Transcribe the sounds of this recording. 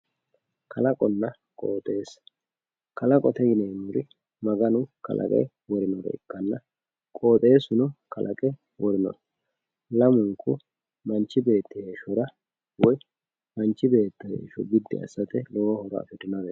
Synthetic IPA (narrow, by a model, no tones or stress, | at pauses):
kʰɐlɐkʼɔnːɐ | kʼo̰ːt̪ʼe̞ːs | kɐlɐkʼɔt̪ɛɡɪneːnʊɾɪ | mɐɡɐnʊkɐ̰lʔɐ̰kʼɛ̰j | wɔɾɪnɔɾɔ̰ɪ̰kːɐnːɐ | kʼo̞ːt̪ʼe̞ːsʊnʊkɐlʔɐkʼɛ | wɔɾɪnɔ̰ɾɔ | lɐmʊŋkːʊ | mɐnt͡ʃːɪbe̞ːt̪ːɪheːʃɔɾɐ | wɔj | mɐnt͡ʃːɪbe̞ːt̪ːɐhḛːʃɔbɪd̪ːɪ̰ɐ̰sːɐt̪ɛlɔwhɔɾɔ̰ɐ̰fɪd̪ɪnɐɾɛ